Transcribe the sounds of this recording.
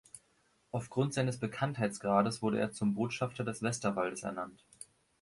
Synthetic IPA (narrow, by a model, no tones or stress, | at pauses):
ʔaʊfɡ̥ʁʊntz̥aɪnəsb̥əkʰanthaɪt͡sɡ̥ʁaːdəsv̥ʊɐɾəʔḛːɐt͡sʊmboːtʃaftɐdɛsv̥ɛstɐvaldəsɛ̰ɐnant